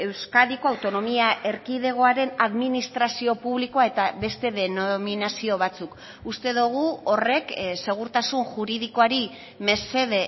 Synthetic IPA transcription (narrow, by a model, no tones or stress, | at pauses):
e̞wskaðiko̞awt̪o̞no̞miaʔe̞ɾkiðe̞ɣ̞o̞aɾe̞naðminist̪ɾasio̞puβlikoae̞t̪aβe̞st̪e̞ðe̞nominasio̞β̞at͡suk | ust̪e̞ðuɣ̞uo̞re̞kse̞ɣ̞uɾt̪asunʝuɾið̞iko̞aɾi | me̞se̞ðe̞